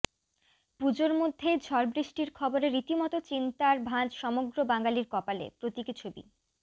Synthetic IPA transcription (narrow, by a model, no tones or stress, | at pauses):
pud͡ʑoɾmod̪ʱːed͡ʑʱɔɾbɾiʃʈiɾkʰɔboɾeɾːit̪imɔt̪ot͡ɕint̪aɾbʱãd͡ʑʃɔmoɡɾobaŋɡaliɾkɔpalḛpɾot̪ikit͡ɕʰobḭ